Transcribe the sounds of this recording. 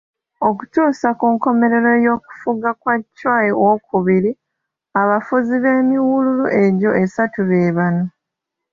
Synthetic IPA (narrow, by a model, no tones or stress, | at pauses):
o̞ku̥tuːsakuːŋko̞me̞ɾe̞ɾo̞jo̞ːku̥fuɡakwacːwaːjewokuβiɾi | aβafuziβe̞ːmiwululuʔe̞ɟo̞ʔe̞satuβe̞ːβano